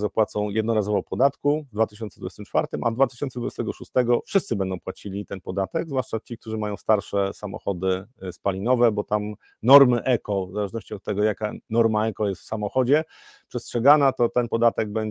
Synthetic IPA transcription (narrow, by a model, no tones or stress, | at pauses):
zapwat̪sɔ̃w̃jɛd̪nɔɾazɔvɔpɔd̪at̪kuvd̪vat̪ɘɕ̬ɔnt̪sd̪vud͡ʑɛst̪ɘmt͡ʂfaɾt̪ɘmʔa̰d̪vat̪ɘ̥ɕɔnt̪sd̪vud͡ʑɛst̪ɛɡɔʂust̪ɛɡɔfʂɘst̪sɘbɛnd̪ɔ̃w̃pwat͡ɕilʲit̪ɛnpɔd̪at̪ɛɡzvwaʂt͡ʂat͡ɕik̚t̪uʐɘmajɔ̃w̃st̪aɾʂɛsamɔ̰xɔd̪ɘspalʲinɔvɛbɔt̪am | nɔɾmɘʔɛkɔvzalɛʐnɔɕt͡ɕiɔt̪̚ːɛɡɔjaka̰nɔɾmaɛkɔjɛst̪fsamɔxɔd͡ʑɛ | pʂɛstʂɛɡanat̪ɔt̪ɛnpɔd̪at̪ɛɡ̚bɛɲ